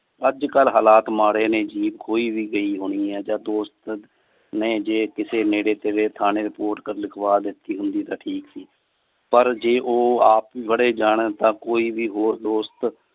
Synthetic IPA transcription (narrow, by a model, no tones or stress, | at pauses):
əd͡ʒkəlɦaːlaːt̪maːɽeːnẽːd͡ʒiːbkʰoːiːʋiːɡəiːɦoːɽ̃iːɦɛːd͡ʒaːd̪oːst̪ | nẽːd͡ʒeːkɪseːneːɽeːt̪eːɾeːt̪ʰaːneːɾɪpoːɾʈkəɾlɪkʰʋaːd̪ɪt̪ːiːɦʊnd̪iːt̪ãːʈʰiːksiː | pəɾd͡ʒeːʔoːaːpʋiːbəɽeːd͡ʒaːɽ̃eːt̪ãːkoːiːʋiːɦoːɾd̪oːst̪